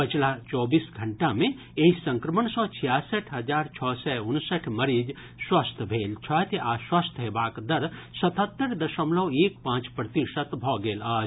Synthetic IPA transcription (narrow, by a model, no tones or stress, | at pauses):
pət͡ʃʰlat͡ʃɔːbisɡʱəɳʈamẽ | eisə̃ŋkɾəmənsɔ̃ːt͡ʃʰijaːsəʈʰɦəd͡ʒaːɾt͡ʃʰɔːsɛunsəʈʰməɾiːd͡ʒ | swast̪ʰbʱeːlt͡ʃʰɔt̪aswast̪ʰɦebaːkd̪ɐɾsɐt̪ʰət̪ːəɾd̪ɐʃəmlɔweːkpãːt͡ʃpɾət̪iʃət̪bʱɔːɡeːlaːd͡ʒ